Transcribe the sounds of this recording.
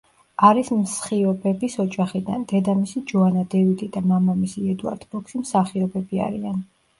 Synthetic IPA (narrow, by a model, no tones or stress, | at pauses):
aɾismsχiɔbɛbisɔd͡ʒʼaχid̪and̪ɛd̪amisid͡ʒɔanad̪ɛvid̪ʼid̪amamamisiɛd̪ua̰ɾd̪̥bɔkʃimsaχiɔbɛbia̰ɾian